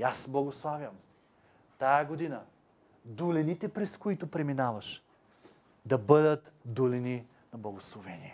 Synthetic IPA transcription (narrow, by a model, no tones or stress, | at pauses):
asblˠɐɡoslˠavʲjɐm | t̪ajɐɡod̪inə | d̪ulɛnit̪ɛpɾɛskoit̪opɾɛminavɐʃ | d̪ɐbɤd̪ət̪d̪ulɛni | nɐblˠɐɡoslˠovɛniɛ